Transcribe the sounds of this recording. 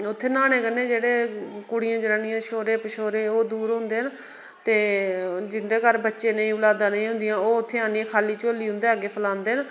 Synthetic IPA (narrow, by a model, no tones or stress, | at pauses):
ʊt̪ʰːeːnaːnẽːkənːẽːd͡ʒeːɽeːkʊɽɪjãːd͡ʒɾaːɳɪjãːʃoːɾeːpɪʃoːɾeːoːd̪uːɾɦʊ̃nd̪eːɦn | t̪eːd͡ʒɪnd̪eːkəɾbətːʃẽːnəĩːʊlaːd̪ãːnəĩːɦʊ̃nd̪ɪjãːoːʊt̪ʰːeːaːnĩkʰaːliːt͡ʃoːliːɦʊ̃nd̪eːɡeːpʰəlãːnd̪eːn